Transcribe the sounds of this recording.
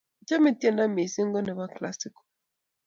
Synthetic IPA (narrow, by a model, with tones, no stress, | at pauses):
d͡ʒa˦me˨ti˦e˦˨na˦me˨si˦ŋɡɔ˦nɛ˨ba˦kla˦si˦ko̥˨